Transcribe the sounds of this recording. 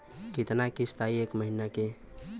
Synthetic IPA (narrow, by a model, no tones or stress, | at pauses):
kit̪nakist̪ʰaiekməɦinake